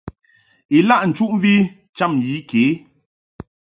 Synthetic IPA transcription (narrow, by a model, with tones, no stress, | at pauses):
i˨la˦˨ʔn̩˨t͡ʃu˦ʔ̩˦vi˦ | t͡ʃa˦˨mji˨˦ke˨˦